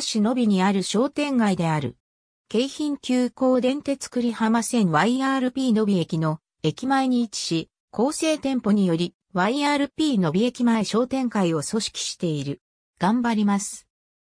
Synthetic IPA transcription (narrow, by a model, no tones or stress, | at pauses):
ɕino̞bʲiɲ̟iaɾɯ̟ɕo̞ːt̪ẽ̞ŋɡaid̪e̞aɾɯ̟̰ | ke̞içĩŋkʲɨːko̞ːd̪ẽ̞nt̪e̞t͡sɨ̥kɯ̟ɾʲihamasẽ̞nβaiaːɾɯ̟pʲiːno̞bʲie̞kʲino̞ | e̞kʲimaeɲ̟iːt͡ɕi̥ɕi | kʰo̞ːse̞ːt̪ẽ̞mpo̞ɲ̟ijo̞ɾʲi | βaiaːɾɯ̟pʲiːno̞bʲie̞kʲimae̞ɕo̞ːt̪ẽ̞ŋkaio̞so̞ɕi̥kʲi̥ɕi̥t̪e̞iɾɯ̟ | ɡ̥ãmbaɾʲimasɨ̥